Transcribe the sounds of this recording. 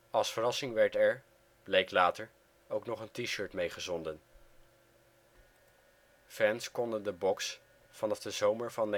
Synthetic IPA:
ɑlˠsfərɑsɪŋʋɛɹtɛɹ | b̥lejklaːtəɹ | owknɔχəntiʃøːɹtmejχəzɔndən | fɛnskɔndəndəbɔks | fɑnɑvdəzowməɹvɑn

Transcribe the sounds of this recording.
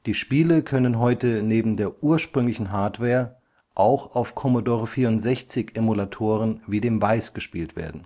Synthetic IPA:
d̥iːʃpiːləkʰœnənɦɔʏtəneːbm̩deːɐʔuːɐʃpʁ̥ʏŋlɪçn̩ɦaɐtv̥ɛːɐ | ʔaʊxaʊfkʰɔmodoːʁəfiːɐʊntz̥ɛçt͡sɪçʔemulatʰoːʁənviːdeːmvaɪsɡ̥əʃpiːltv̥ḛːɐdn̩

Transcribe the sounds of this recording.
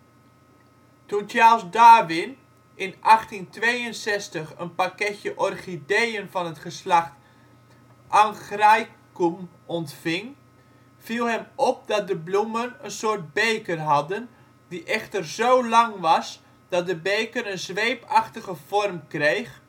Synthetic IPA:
tuntjalˠsdaːʋɪn | ʔɪnʔɑχtintʋejənsɛstəχənpakɛtjəʔɔrχidejənvɑnətχəslaxt | ʔaŋxrajkum | ɔntfɪŋ | v̥ilˠɦɛmɔp̚dɑt̚dəblumənənsoːrt̚bejkərɦɑdən | diʔɛχtərzowlɑŋʋɑs | d̥ɑt̚dəbejkərənzʋejpʰɑxtəɣəv̥ɔrmkrejχ

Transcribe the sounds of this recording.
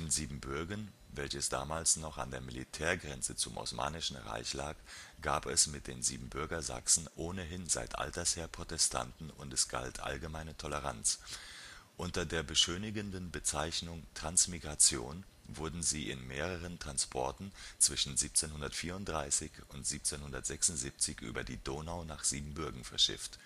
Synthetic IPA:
enziːbm̩bʏɐɡɐn | vɛlçəsd̥a̰ːmaːlsnɔχa̰ndeːɐmilḭtʰɛːɐɡʁɛnt͡sət͡sʊmʔa̰ʊsma̰ːnɪʃn̩ʁa̰ɪçlaːkɡ̥aːpɛsmɪt̚d̥eːnzḭːbm̩bʏɐɡɐza̰ksn̩ʔoːnəɦɪnza̰ɪtʔa̰ltɐsheːɐpʁ̥otɛstʰa̰ntn̩ʊ̰ntɛsɡ̥a̰ltʰʔa̰lɡəmaɪnətʰɔləʁ̞a̰nt͡s | ʔʊntɐdeːɐbəʃøːnɪɡəndənbət͡saɪçnʊŋtʁ̥ansmiɡʁat͡sjo̰ːn | vʊɐdn̩ziːʔɪ̰nmeːʁ̞əʁ̞əntʁ̥anspʰɔɐtn̩t͡sv̥ɪʃn̩ziːp̚t͡seːnhʊndɐtfiːɐʊnt̚d̥ʁaɪsɪçʊntz̥iːp̚t͡seːnhʊndɐtz̥ɛksʊntz̥iːp̚t͡sɪçʔy̰ːbɐdiːdoːnaʊnaːχz̥iːbm̩bʏɐɡŋ̩fɛɐʃɪ̰ft

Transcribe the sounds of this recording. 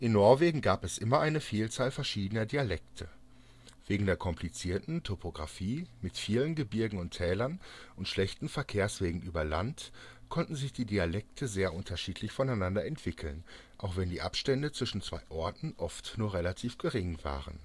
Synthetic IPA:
ʔɪnːɔɐveːɡŋ̩ɡaːpɛsʔɪmɐʔaɪnəfiːlt͡saːlfɛɐʃiːdənɐdialɛktʰə | v̥eːɡŋ̩deːɐkʰɔmpʰlit͡siːɐtn̩tʰopʰoɡʁa̰fiːmɪtfiːlənɡəbɪɐɡŋ̩ʊntʰɛːlɐnʔʊntʃlɛçtn̩fɛɐkʰeːɐsv̥eːɡŋ̩ʔyːbɐla̰ntkʰɔntn̩zɪçd̥iːdialɛk̚tʰəzeːɐʔʊntʰɐʃiːtʰlɪçfɔnaɪnandɐɛntv̥ɪkʰl̩n | ʔaʊxv̥ɛndiːʔa̰pʃtɛndət͡sv̥ɪʃn̩t͡sv̥a̰ɪʔɔɐtn̩ʔɔftnuːɐʁelatʰiːfɡ̥əʁɪŋva̰ːʁə̰n

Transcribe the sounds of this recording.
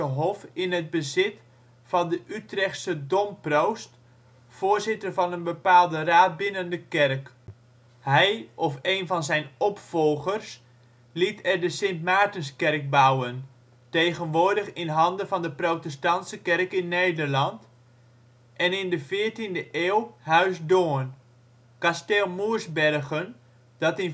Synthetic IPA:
əɦɔfɪnɦəd̚bəzɪt | fɑndəʔytrɛχtsədɔmprowst | foːɹzɪtərvɑnənbəpaːlˠdəraːt̚bɪnəndəkɛrk | hɛjʔɔfejnvɑnzɛjnɔpfɔlˠχərs | litɛrdəsɪntmaːtənskɛrk̚bawən | tejχənʋʊːɹdəχɪnɦɑndənvɑndəprowtɛstɑntsəkɛrkɪnːejdərlɑnt | ʔɛnɪndəfɪːɹtindəʔeːwhœɥsdoːən | kastɛlˠmuəɹsbɛrχən | d̥ɑtɪn

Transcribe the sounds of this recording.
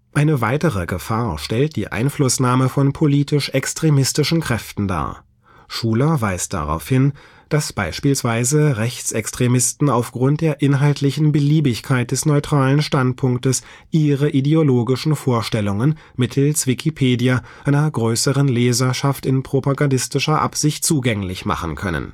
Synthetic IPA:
ʔaɪnəvaɪtəʁəɡəfaːɐʃtɛlt̚d̥ḭːʔa̰ɪnflʊsnaːməfɔnpʰoliːtɪʃʔɛkstʁ̥emɪstɪʃn̩kʁ̥ɛftn̩da̰ːɐ | ʃuːlɐva̰ɪsd̥a̰ʁa̰ʊfhɪn | d̥asb̥a̰ɪʃpiːlsv̥aɪzəʁɛçt͡sɛkstʁ̥emɪstn̩aʊfɡ̥ʁʊnt̚d̥eːɐʔɪnɦaltʰlɪçn̩bəliːbɪçkʰaɪt̚d̥ɛsnɔʏtʁ̥aːlənʃtant̚pʰʊŋk̚təs | ʔiːʁəʔideoloːɡɪʃn̩foːɐʃtɛlʊŋən | mɪtʰl̩sv̥ɪkʰipʰeːdiaʔaɪnɐɡʁøːsəʁənleːzɐʃaftɪnpʁ̥opaɡandɪstɪʃɐʔa̰pz̥ɪçt̚t͡suːɡɛŋlɪçma̰χn̩kʰœ̰nə̰n

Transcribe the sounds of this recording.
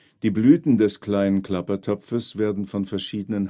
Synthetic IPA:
d̥iːblyːtn̩dɛskl̥aɪnənkl̥apɐtʰɔpfəsv̥eːɐdn̩fɔnfɛɐʃiːdənən

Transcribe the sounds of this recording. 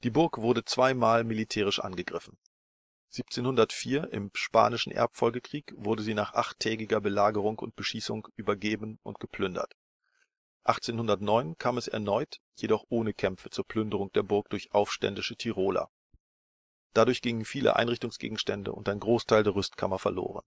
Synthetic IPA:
d̥iːbʊɐkv̥ʊɐdət͡sv̥aɪmaːlmilitʰɛːʁ̞ɪʃʔa̰nɡəɡʁɪfn̩ | z̥iːp̚t͡seːnhʊndɐtfiːɐʔɪ̰mʃpa̰ːnɪʃn̩ʔɛ̰ɐpfɔlɡəkʁ̥iːkv̥ʊɐdəziːnaːχʔaχtʰːɛːɡɪɡɐbəlaːɡəʁ̞ʊŋʊ̰nt̚b̥əʃiːsʊŋʔyːbɐɡeːbən̩ʊ̰ntɡ̥əpl̥ʏndɐ̰t | ʔaχt͡seːnhʊndɐtnɔʏnkʰaːmɛsɛ̰ɐnɔʏt | jedɔχʔoːnəkʰɛmfət͡suːɐpʰl̥ʏndəʁ̞ʊŋd̥eːɐbʊɐk̚d̥ʊɐçʔaʊfʃtɛ̰ndɪʃətʰiʁoːla̰ | d̥adʊɐçɡ̥ɪŋənfiːlə̰ʔa̰ɪnʁɪçtʊŋsɡ̥ḛːɡŋ̩ʃtɛndə̰ʊ̰ntaɪnɡʁoːstʰaɪldeːɐʁʏstkʰa̰mɐfɛɐlo̰ːʁ̞ə̰n

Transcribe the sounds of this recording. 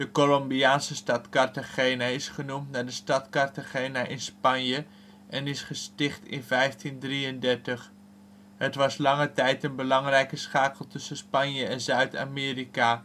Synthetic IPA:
dəkolɔmbiaːnsəstɑtkɑɹtaχejnaɪsχənumtnaːɹdəstɑtkɑɹtaχejnaʔɪnspɑnjə | ʔɛnɪsχəstɪχtɪ̰nvɛjftindriəndɛɹtəχ | ɦətʋɑslɑŋətɛjtənbəlɑŋrɛjkəsχaːkəl̩ˠtɵsəspɑnjəɛnzœɥta̰ːmɪːrika

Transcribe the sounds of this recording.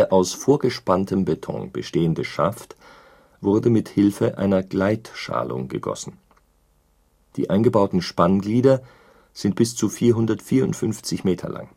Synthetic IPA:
ʔaʊsfoːɐɡəʃpantʰəmbetʰɔ̰̃ŋb̥əʃteːəndəʃa̰ft | v̥ʊɐdəmɪthɪlfəʔa̰ɪnɐɡ̥laɪtʃa̰ːlʊ̰ŋɡə̰ɡɔ̰sn̩ | d̥ḭːʔaɪnɡəbaʊtn̩ʃpanɡliːdɐ | z̥ɪnt̚b̥ɪst͡sufiːɐɦʊndɐtfiːɐʊntfʏnft͡sɪçmeːtʰɐ̰lʔa̰ŋ

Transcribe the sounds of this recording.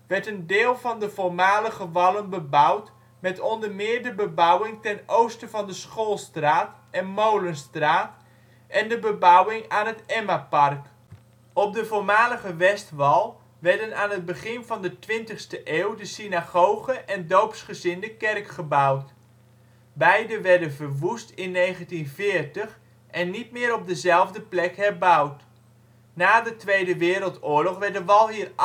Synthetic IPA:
ʋɛɹtəndɪːlˠvɑndəvoːɹmaːləχəʋɑlˠənbəbʌwt | mɛtɔndərmɪːɹdəbəbawɪŋtɛnowstəvɑndəsχoːlˠstraːt | ɛnmowlənstraːt | ʔɛndəbəbʌwɪŋaːnɦətɛmapɑrk | ɔp̚dəvoːɹmaːləχəʋɛstʋɑlˠ | ʋɛɹdənaːnəd̚bəχɪnvɑndətʋɪntəχstəʔeːwdəsinaɣowχəʔɛndowpsχəzɪndəkɛrkχəbawt | bɛjdəʋɛɹdənvərʋustɪnːejχəntinvɪːrtəχ | ʔɛnːit̚mɪːɾɔb̚dəzɛlˠvdəplɛkhɛrbawt | naːdətʋejdəʋɪːɾəlˠtʊːɹlɔχʋɛrt̚dəʋɑlˠɦiər

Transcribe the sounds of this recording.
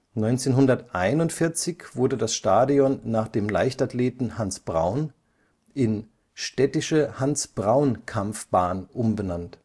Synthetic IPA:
nɔʏnt͡seːnɦʊndɐtʔaɪnʊntfɪɐt͡sɪçv̥ʊɐdədasʃtaːdiɔnːaːχd̥eːmla̰ɪçtatleːtn̩hansb̥ʁa̰ʊn | ʔɪn | ʃtɛtɪʃəhansb̥ʁaʊnkʰamfb̥aːnʔʊmbənant

